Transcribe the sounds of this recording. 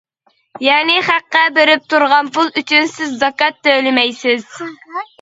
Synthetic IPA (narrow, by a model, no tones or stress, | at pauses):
jɑːnɪχæqːæbeɾɪp̚t̪ʰuɾʁɑnpulˠyt͡ʃʰynsɪzːɑkɑt̪ːølɪmɛjsɪz̥